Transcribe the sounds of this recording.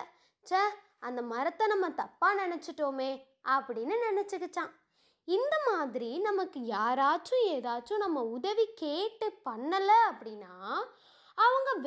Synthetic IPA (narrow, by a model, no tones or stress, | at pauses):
t͡ʃɐ | ɐnd̪ɐmɐɾɐt̪ːɐ̃nɐmːɐt̪ɐpːaːnɪnɛt͡ʃːɪʈːoːmeː | ɐpːɐɽɪnːɯnɛnɛt͡ʃːɯkːɯt͡ʃːãː | ɪnd̪ɐmaːðɪɾinɐmɐkːɯjaːɾaːt͡ʃːʊ̃eːðaːt͡ʃːʊ̃nɐmːɐʊðɐʋikeːʈːɯpɐɳːɐlːɐɐpːɐɽɪnːaː | ɐʋɐŋɡɐʋ